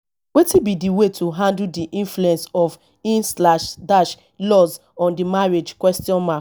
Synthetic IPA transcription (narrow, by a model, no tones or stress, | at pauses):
wetibidiwetʰoɦãndl̩diʔĩnfluɛ̃nsɔf | ĩnslaʃdaʃ | lɔz | ɔ̃ndimaɹed͡ʒkwɛstiɔ̃nma